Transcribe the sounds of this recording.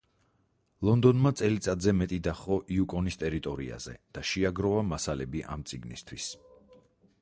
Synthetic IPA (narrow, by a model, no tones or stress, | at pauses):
lˠɔnd̪ɔnmat̪sʼɛlit̪sʼad̪zɛmɛt̪ʼid̪aχɔʔiukʼɔnist̪ʼɛɾit̪ʼɔɾḭa̰zɛ̰d̪̥aʃiaɡɾɔvamasalɛbiʔa̰mt̪sʼiɡnḭst̪ʰwis